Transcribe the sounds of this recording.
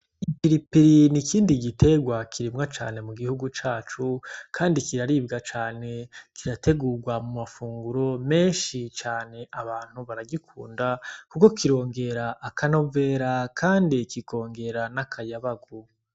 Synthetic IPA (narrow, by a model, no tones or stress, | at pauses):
ipiɾipiɾinikiːndiɡitʰe̞ɡwakʰiɾimŋat͡ʃa̰ːne̞muɡihuɡut͡ʃaːt͡ʃukʰaːndikiɾaɾiːbɡat͡ʃaːne̞kʰiɾatʰe̞ɡuːɾɡwamumafuːŋɡuɾo̞me̞ːnʃit͡ʃaːne̞ʔaβaːn̥huβaɾaɡikʰṵːndakuko̞kiɾo̞ːŋɡe̞ɾaʔːkʰano̞ve̞ːɾakʰaːndikiko̞ːŋɡe̞ɾanakʰajaβaɡu